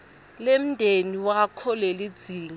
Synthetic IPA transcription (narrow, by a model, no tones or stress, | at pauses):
lem̩ndʱeniwakʰɔlelid̥z̥ʱiːŋ